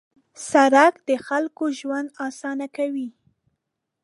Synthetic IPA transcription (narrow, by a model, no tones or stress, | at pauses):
saɾakd̪̥əxalkoʒwand̪ɑsɑnakawi